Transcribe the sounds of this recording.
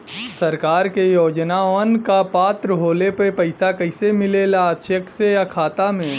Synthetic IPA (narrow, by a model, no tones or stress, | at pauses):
sɐɾkaːɾkejoːd͡ʒnaənkapaːt̪ɾəɦoːlepepɐɪsakɐɪsemɪleːlaːʃəkseɐkʰaːt̪amẽː